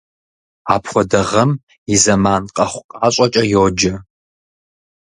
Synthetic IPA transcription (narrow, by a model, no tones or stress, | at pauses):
aːpʰχʷɔdɐʁɐm | izɐmaːnqʼɐχʷqʼaːɕʷʼɐt͡ʃʼɐjoːd͡ʒɐ